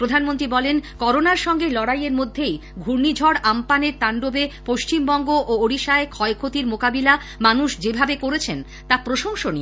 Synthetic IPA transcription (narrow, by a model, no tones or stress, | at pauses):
pɾod̪ʱanmont̪ɾibɔlenkɔɾonaɾʃɔŋɡelɔɽajeɾmod̪ʱːejɡʱuɾnid͡ʑʱɔɽampaneɾt̪aɳɖobepoʃt͡ɕimbɔŋɡoʔooɽiʃaekʰɔekʰot̪iɾmokabila | manuʃd͡ʑebʱabekoɾet͡ɕʰen | t̪apɾoʃoŋʃonie